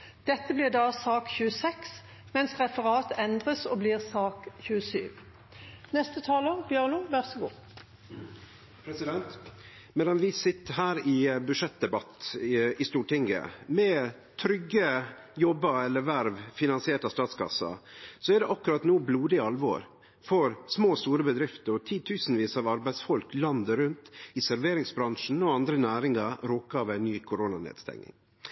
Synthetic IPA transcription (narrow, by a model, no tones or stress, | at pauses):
d̪̥ɛt̪ːəbliːʁd̪ɑːsɑːkçʉːəsɛks | mɛnsʁɛfəʁɑːt̪ɛnd̪ʁəsɔbliːʁsɑːkçʉːəsyːʋ | nɛst̪ət̪ʰɑːlɔʁbjøːʁnʊʋæʁsɔɡṵː | pʰɾɛsɪd̪ɛnt̪ | mɛːd̪ɑnʋɪsɪt̪ːəɦæːɾɪbʉʂɛt̪̚d̪ɛbɑt̪ːɪst̪uːʈɪŋə̰mɛ | t̪ʰɾʏɡːə | jɔbːɑɛlːəʋæɾʋfɪnɑnsɪeːʈɑst̪ɑːt̪skʰɑ̰sːɑ̰sɔæɖɛʔɑkːʉɾɑt̪nuːbluːd̪ɪɑlʋɔ̰ːɾ | fɔɾsmoːst̪uːɾəbəd̪ɾɪft̪əɾɔt̪ʰiːt̪ʰʉːsn̩ʋiːsɑʋɑɾbæɪsfɔlklɑnd̪əɾʉnt̪ɪsæɾʋeːɾɪŋsbɾɑŋʂn̩ɔɑnd̪ɾənæːɾɪŋɑɾoːkɑːʋæɪnːyːkʰʊɾonɑnḛːd̪st̪ɛ̰ŋnɪ̰ŋ